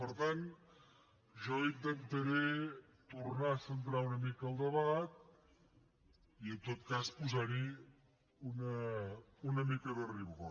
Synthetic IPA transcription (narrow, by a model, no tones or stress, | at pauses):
pəɾt̪an | ʒɔint̪ent̪eɾe | t̪uɾnasənt̪ɾaunəmikəlˠd̪əβaɣat̪̚ | iənt̪ot̪̚kaspuzaɾi | unə | unəmikəðəriβɣo